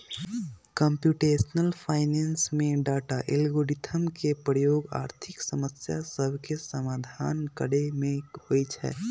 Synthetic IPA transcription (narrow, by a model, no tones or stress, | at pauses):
kə̃mpjuːʈeːsnəlpʰaːɪneːnsmẽɖaːʈaʔɪlɡoːɖɪt̪ʰəmkepɾəjoːɡa̰ːɾt̪ʰɪksəməsja̰səbʱkesəmaːd̪ʱaːnkəɽemẽoːit͡ʃʰɛ̰ː